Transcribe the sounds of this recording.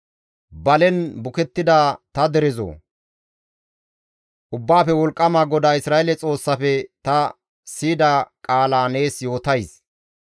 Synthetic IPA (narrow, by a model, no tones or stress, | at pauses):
bɐlɛnbʊkɛt̪ːɪd̪aːt̪ɐd̪ɛɾɛzo̰ː | ʔʊbːaːfɛwɔlkʼːɐmaːɡɔd̪aːɪsɾaːelɛt͡sʼo̞ːsːɐfɛt̪ɐ | siːd̪akʼaːlaːne̞ːsjo̞ːt̪ɐjs